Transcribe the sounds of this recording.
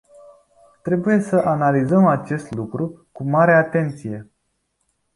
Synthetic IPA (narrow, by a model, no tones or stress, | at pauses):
t̪ɾe̞buje̞səʔanalizəmat͡ʃe̞st̪lukɾukumaɾe̞at̪e̞nt̪sije̞